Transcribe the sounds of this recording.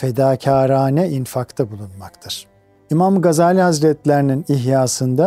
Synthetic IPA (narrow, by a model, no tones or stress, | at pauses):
fed̪aːcʰaːɾaːnɛinfakt̪ʰabulˠunmakt̪ʰɯɾ̥ | imamɡazaːlʲihazɾɛt̪lʲeɾininiɦjaːsɯnd̪a